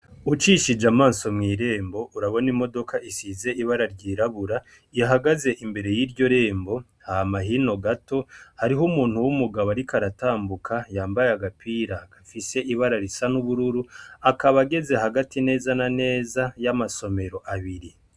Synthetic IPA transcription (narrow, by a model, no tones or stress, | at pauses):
ut͡ʃiʃid͡ʒamaːnso̞mŋiːɾe̞ːmbo̞ʔuɾaβo̞nimo̞do̞kʰaʔisize̞ʔiβaɾaɾɟiːɾaβuɾa | ijaɦaɡaze̞ʔimbe̞ɾe̞jiːɾɟo̞ɾe̞ːmbo̞ | hahamaɦino̞ɡato̞haɾiɦumuːn̥huwumuɡaβaɾikaɾataːmbukʰajaːmbajeaɡapiːɾakafise̞ʔiβaɾaɾisanuβuɾuɾuakaβaɡe̞ze̞haɡatine̞ːzanane̞ːzajamaso̞me̞ɾo̞ʔaβiɾi